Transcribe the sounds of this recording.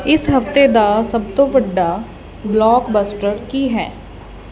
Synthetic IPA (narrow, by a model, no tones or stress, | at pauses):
ɪsɦɐft̪ed̪asɐb̚t̪oʋɐɖːa | blɔːkbəsʈəɾkiɦɛː